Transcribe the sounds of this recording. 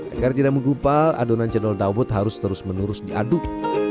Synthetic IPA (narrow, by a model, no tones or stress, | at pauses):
a̰ɡart̪idaʔk̚məŋɡumpalʔa̰donant͡ʃədɔldawʊt̪haɾʊst̪əɾʊsmənuɾʊsdiʔa̰duk̚